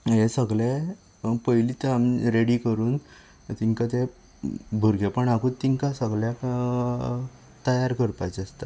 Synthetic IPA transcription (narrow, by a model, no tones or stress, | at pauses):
ɦesəɡle | pəjlit̪əamiɾeɽikəɾuːn | t̪iŋkat̪e | bʱuɾɡʱepəɳaɡut̪iŋkasəɡɭja | t̪əjaɾkəɾpajt͡sest̪a